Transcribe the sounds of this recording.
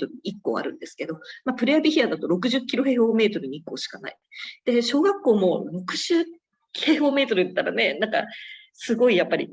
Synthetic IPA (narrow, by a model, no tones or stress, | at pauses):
t̪oɾɯ̟ɲiikːo̞̰ːa̰ɾɯ̟̃nd̪e̞sɨ̥ke̞d̪o̞mapɯ̟ɾeabʲiçiad̪at̪o̞ɾo̞k̬ɯ̟ʑɨkʲːiɾo̞ɦe̞ːho̞ːme̞ːt̪o̞ɾɯ̟ɲ̟iikːo̞ːɕi̥kana̰i | d̪̥e̞ɕo̞ːɡakːo̞ːmo̞ɾo̞kɯ̟ʑ̥ɨː | kʰe̞ːho̞ːme̞ːt̪o̞ɾɯet̪ːaɾane̞nãŋka̰ | sɨɡo̞ijapːaɾʲḭ